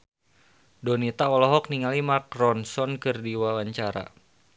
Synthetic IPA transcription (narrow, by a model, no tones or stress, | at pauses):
donit̪aɔlɔɦɔk̚niŋalimakɾɔnsɔnkɨrdiwawaɲt͡ʃaɾa̰